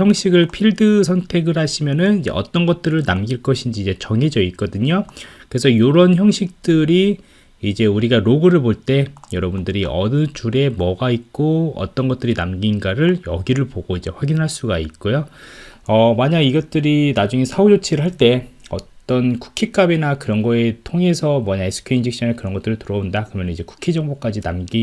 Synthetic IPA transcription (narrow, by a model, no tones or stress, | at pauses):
jʌŋɕʰiɡɯɭpʰiɭdɯsʰʌŋtʰe̞ɡɯɭɦaɕʰimjʌnɯnid͡ʑḛʔʌ̰t͈ʌnɡʌt̚t͈ɯɾɯɭnamɡiɭk͈ʌɕʰind͡ʑiːd͡ʑe̞t͡ɕʌŋɦed͡ʑʌik͈ʌdɯɲokɯɾe̞sʰʌjoɾʌnçjʌŋɕʰik̚t͈ɯɾi | id͡ʑe̞uɾiɡaɾoɡɯɾɯɭboɭt͈e̞jʌɾʌbundɯɾiʔʌnɯt͡ɕuɾe̞mʌɡaik͈oʌ̰t͈ʌnɡʌt͈̚ɯɾinamɡinɡaɾɯɭjʌɡiɾɯɭpoɡ̥oid͡ʑe̞ɸwaɡinɦaɭs͈uɡait̚k͈ojo | ʌmaɲaɡiɡʌt̚t͈ɯɾinad͡ʑuŋe̞sʰaod͡ʑot͡ɕʰiɾɯɭɦaɭt͈e̞ʌtt͈ʌnku̥kʰik͈abenakɯɾʌnɡʌetʰoŋe̞sʰʌmʌɲaesʰɯ̥kʰeind͡ʑik̚ɕ͈ʰʌnekɯɾʌnɡʌt͈ɯɾɯɭtɯɾʌondakɯɾʌmjʌnnid͡ʑe̞ku̥kʰed͡ʑʌŋbok͈ad͡ʑinamɡi